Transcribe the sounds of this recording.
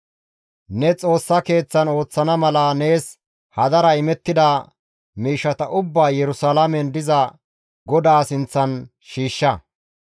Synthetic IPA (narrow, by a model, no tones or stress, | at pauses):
nɛt͡sʼo̞ːsːɐke̞ːt͡sːɐno̞ːt͡sːɐnɐmɐlɐne̞ːs | hɐd̪ɐɾɐɪmɛt̪ːɪd̪ɐ | miːʃːɐt̪ɐʔʊbːaːjɛɾʊsalɐmɛnd̪ɪzɐ | ɡɔd̪aːsɪnt͡sːɐn | ʃiːʃːɐ